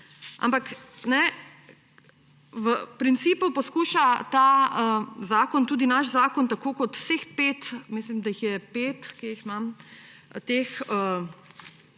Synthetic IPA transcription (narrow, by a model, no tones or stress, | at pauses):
ʔa̰mpaknɛ | ʋəpɾint̪siːpupɔskuːʃat̪aəzaːkɔnt̪uːd̪inaʃzaːkɔnt̪akoːkɔt̪w̥sexpeːt̪mislimd̪aixjɛpeːt̪keixmam | t̪eːxə